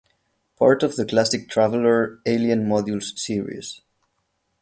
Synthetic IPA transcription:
pʰɑ̰ɹtɔvðəkʰlæsɪk̚tʰɹ̥ævəl̩ə˞eɪliə̃nmɔdjulz̥siɹḭz̥

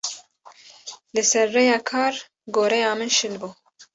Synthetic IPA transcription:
lɨsɛɾːɛjɑːkʰɑːɾ | ɡoːɾɛjɑːmɨnʃɨnbuː

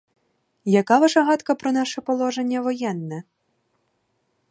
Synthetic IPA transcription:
jakaʋaʂɐɦɑt̪kɐpɾɔnɑʂɛpɔlˠɔʐenʲːɐʋɔjɛnːɛ

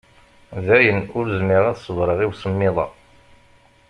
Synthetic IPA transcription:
ðæjənʊɾzmɪʁæðsˤːəvɾˤəʁiwsəmːɪðˤɑ̰

